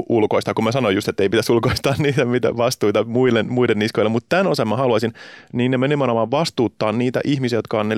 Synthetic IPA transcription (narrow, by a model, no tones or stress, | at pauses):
ulkoist̪ɑkumæsɑnojust̪et̪ːeipit̪æsulkoist̪ɑːnniːt̪æmit̪æ̰ʋɑst̪uːit̪ɑmuilːenmuilenːiskoilːemut̪t̪ænosɑmːɑhɑluɑsinniːnnemenemɑnomɑːʋʋɑst̪uːt̪ːɑːnniːt̪æ̰ʔiçmisiæjot̪̚kɑonne